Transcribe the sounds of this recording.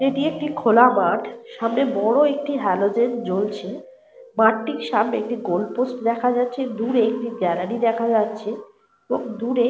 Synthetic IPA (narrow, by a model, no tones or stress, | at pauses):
eʈiek̚ʈikʰolamaʈʃamnebɔɽoek̚ʈiɦɛlod͡ʑend͡ʑolt͡ɕʰe | maʈːikʃamneek̚ʈiɡolposʈd̪ɛkʰad͡ʑatːɕʰed̪uɾeek̚ʈiɡɛɾaɽid̪ɛkʰad͡ʑatːɕʰe | eboŋd̪uɾe